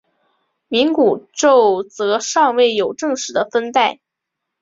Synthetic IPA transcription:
mi˧˥ŋku˨˩ʈ͡ʂo˥˩˧ʊt͡sɤ˧˥ʂɑ˥˧ŋwe˥˩ɪjo˨˩ʊʈ͡ʂɤ˥˧ŋʂɻ̩˧˥d̪ə˧fə˥nt̪a˥˩ɪ

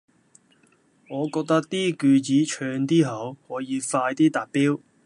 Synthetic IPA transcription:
ŋɔː˨˧kɔː˧k̚t̪ɐ˥k̚t̪iː˥kyː˧t͡siː˨˥t͡ʃʰœː˧ŋt̪iː˥ɦɐ˨˥whɔː˨˥jiː˨˧faː˧jt̪iː˥t̪aː˨˩piː˥w

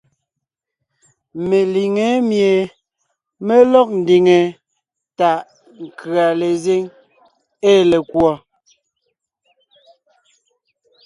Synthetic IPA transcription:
me˨li˨ŋe˨˦mje˨ | me˦lɔ˦˨k̚n̩˨di˨ŋe˨ | ta˨ʔ | ŋ̩˨kʰɰa˨le˨ze˦ŋ | e˦˨le˨kwɔ˨

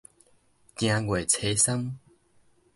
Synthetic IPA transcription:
tj̃ã˧ɡwe˨˩t͡sʰe˧˦sa˦ŋ

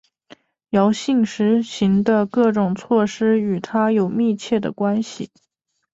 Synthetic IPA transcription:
jɑ˧˥ʊɕi˥˩ŋʂɻ̩˧˥ɕi˧˥ŋd̪ə˧kɤ˥˩ʈ͡ʂʊ˨˩ŋt͡sʰwɔ˥˩ʂɻ̩˥y˨˩t̪ʰa˥jo˨˩ʊmi˥˧t͡ɕʰjɛ˥˩d̪ə̰˩kwa˥nɕḭ˨˩

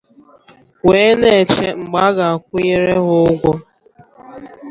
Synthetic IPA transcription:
we˨˦ne˨e˨t͡ʃe˦ŋ͡m̩˨ɡ͡ba˨˦a˦ɣa˨a˨kʷʊ˦je˦ɾe˦ɦʊ˦ʊ˦ɡʷɔ˦

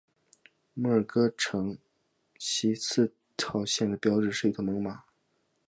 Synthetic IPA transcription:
mɤ˥˩ə˞˨˩kɤ˥ʈ͡ʂʰɤ˧˥ŋ | ɕi˧˥t͡sʰɹ̩˥˩ | t̪ʰɑ˨˩ʊɕjɛ˥˩nd̪ə˩pjɑ˧˥ʊʈ͡ʂɻ̩˨˩ʂɻ̩˥˩i˧˥t̪ʰo˧˩mɤ˧˥ŋma˨˩˦

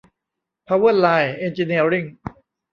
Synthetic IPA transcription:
pʰaː˧wɯ˥˩˨t̪laː˧je˧nt͡ɕi˧ni˧˩əɾi˥˩ŋ

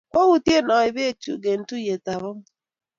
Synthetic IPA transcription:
kʷo˦ɣu˨te˦˨nɔ˨i˨be˦˨t͡ʃṵ˨ɡe˨n̩˨˦tu˦je˨ta˨βɔ˦m

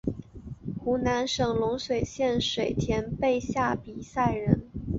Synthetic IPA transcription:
xu˧˥na˧˥nʂɤ˨˩ŋlʊ˧˥ŋʂwe˨˩ɪɕjɛ˥˩nʂwe˨˩ɪt̪ʰjɛ˧˥npe˥˧ɪɕja˥˩pi˨˩sa˥˩ɪɻə˧˥n

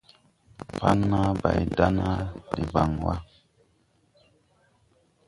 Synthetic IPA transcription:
pa˦nːa˦ba˨jda˦na˦di˨va˨ŋwa˦

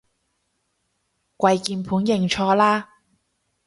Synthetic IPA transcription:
kʷɐ˧jkiː˧npʰuː˨˥njɪ˨˩ŋt͡ʃʰɔː˧laː˥

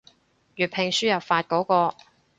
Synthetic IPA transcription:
jyː˨˩pʰɪ˨ŋsyː˥jɐ˨˩wfaː˧t̚kɔː˨˥kɔː˧

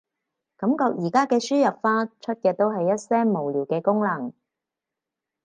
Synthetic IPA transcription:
kɐ˨˥mkɔː˧k̚jiː˨˩kaː˥kɛː˧syː˥jɐ˨p̚faː˥t͡ʃʰɵ˥t̚kɛː˧t̪o˥wɦɐ˨jːɐ˥t̚sɛː˥ŋmo˨˩wliː˨˩wkɛː˧kʊ˥ŋlɐ˨˩ŋ

